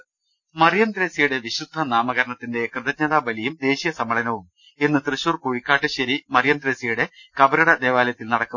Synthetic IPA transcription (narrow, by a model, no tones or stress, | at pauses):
mɐrjɐnd̪ɾe̞ːsijuɽe̞ʋiɕud̪ʱːɐnaːmɐɣɐɾɐɳɐt̪ːinde̞krɨðɐt͡ɕɲɐːðaːbɐlijumd̪e̞ːɕijɐsɐmɐɭɐnɐʋum | e̞nːɨt̪rɨɕuːrkuːɻikʲːaːʈːɨɕɐɾimɐrjɐnd̪ɾe̞ːsijuɽe̞kɐbɐɾɐɽɐd̪e̞ːʋaːljɐt̪ːilnɐɽɐkːu